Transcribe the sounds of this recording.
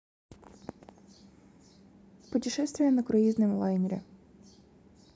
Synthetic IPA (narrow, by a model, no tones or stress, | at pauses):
pʊtʲɪʃɛst̪ʋʲijɐnɐkɾɐjizʲnemlˠɑjnʲɾʲɛ̰